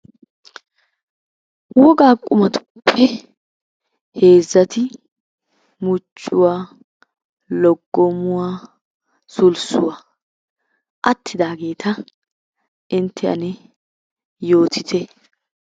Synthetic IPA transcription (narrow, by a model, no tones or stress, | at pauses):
wɔɡaːkʼːʊmɐt̪ʊ̥pʰːɛ | he̞ːzːɐt̪ɪ | mʊt͡ʃʼːʊwaː | lɔɡːɔmʊwaː | sʊlsʊwaː | ʔɐt̪ʰːɪd̪aːɡe̞ːt̪ʰɐ | ʔɪnt̪ʰːɛɐ̰nɛ | jo̞ːt̪ʰɪt̪ʰɛ